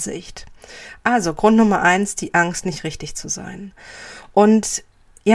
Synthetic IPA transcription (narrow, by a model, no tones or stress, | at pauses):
zɪ̰çtʔalzoɡʁʊntnʊmɐʔaɪnsd̥iːʔaŋstnɪçtʁɪçtɪçt͡suza̰ɪnʔʊnt | ja